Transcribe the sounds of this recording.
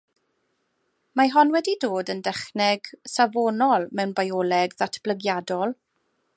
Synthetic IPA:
maɦɔnwɛdidoːdəndɛχnɛɡsavoːnɔlˠmɛwnbajɔːlɛɡðatʰb̥ləɡjadɔlˠ

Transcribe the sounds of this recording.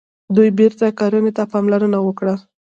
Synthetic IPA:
d̪ujbeɾt̪akɑɾənet̪apɑmlaɾənawəkɽa

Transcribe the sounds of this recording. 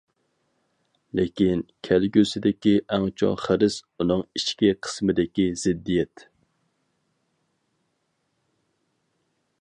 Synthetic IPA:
lɪkʲinkʲʰælɡʲøsɪd̪ɪkʲiʔɛŋt͡ʃʰo̰χəɾɪsunɨŋiʃkʲiqʰə̥smɨd̪ɪkʲizɪd̪ːijɛt̪

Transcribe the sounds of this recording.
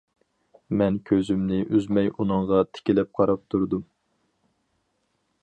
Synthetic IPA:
mɛnkʲʰøzymnɪʔyzmɛjunɨŋʁɑt̪ʰɪ̥kʲilɛp̚qʰɑɾɑp̚t̪ʰuɾd̪u

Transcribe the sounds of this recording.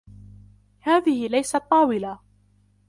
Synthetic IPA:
haːðɪhɪlajsat̪ˤːɑːwɪla

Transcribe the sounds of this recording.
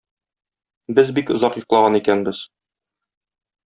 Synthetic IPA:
bɘzbikŏzɑqjŏqlˠɑʁɑnikænbɘz̥

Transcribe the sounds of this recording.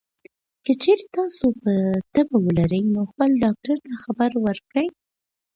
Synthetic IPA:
kət͡ʃeɾet̪ɑsopət̪əbawəlaɾəjnoxpəlɖɑk̚ʈaɾt̪axabəɾwəɾkɽəj

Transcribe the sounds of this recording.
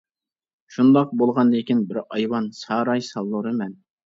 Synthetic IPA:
ʃund̪ɑq̚bolˠʁɑnd̪ekʲinbɪɾɑjwɑnsɑːɾɑjsɑlˠːuɾɨmɛn

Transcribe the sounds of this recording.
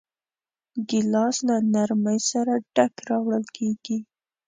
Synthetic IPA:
ɡɪlɑslanaɾməjsaɾaɖ̥akɾɑwɽəlkeɡ̥i

